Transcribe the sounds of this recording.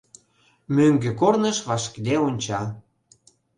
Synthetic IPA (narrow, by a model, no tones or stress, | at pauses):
møŋɡøkornəʃβɑʃkd̪eonʲt͡ɕɑ